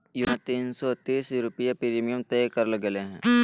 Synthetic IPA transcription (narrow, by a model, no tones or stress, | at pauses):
juɦãt̪iːnsɔt̪iːsɾʊpjapɪɾimijəmt̪eːkəɾlɡeleɦɛ̃ː